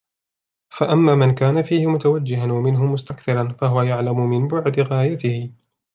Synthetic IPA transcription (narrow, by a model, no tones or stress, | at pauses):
faʔamːaːmɪnkaːnafiːhɪmʊt̪awad͡ʒːɪɦanwamɪnɦʊmʊst̪akθɑɾˤɑnfaɦʊwajaʕlamʊmɪnbʊʕd̪ɪɣaːjat̪ɪhɪ